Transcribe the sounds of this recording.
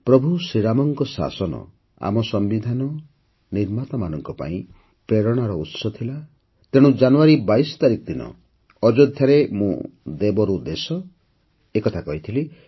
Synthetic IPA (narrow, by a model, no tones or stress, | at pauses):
pɾɔbʱusiɾamɔŋkɔsa̰sɔnɔ̰ | a̰mɔsɔmbid̪ʱanɔ | niɾmat̪amanɔŋkɔpa̰ĩ | pɾeɾɔɽ̃aɾɔut̪sɔt̪ʰila | t̪eɽ̃ud͡ʒanuwaɾibajsɔ̥t̪aɾikɔd̪inɔ̰ | ɔd͡ʒod̪ʱjaɾemṵ̃d̪ebɔɾud̪esɔ | ekɔt̪ʰakɔɦit̪ʰili